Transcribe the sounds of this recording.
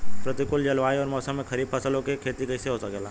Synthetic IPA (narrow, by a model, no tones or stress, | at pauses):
pɾɐt̪ikʊld͡ʒɐlʋaːiɔːɾmɔːsəmːẽxɐɾiːbfʰɐsəlõkekʰeːt̪ikɐɪseɦoːsaɡɛːlaː